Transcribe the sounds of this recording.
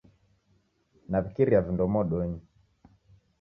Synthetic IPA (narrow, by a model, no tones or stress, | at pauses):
navikiɾiavindɔmɔɗɔɲi